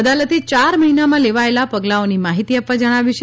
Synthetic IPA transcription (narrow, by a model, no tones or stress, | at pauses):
əd̪alət̪et͡ʃaɾməɦinamãleʋaelapəɡlaonimaɦit̪iapʋad͡ʒəɽ̃aʋjiʃ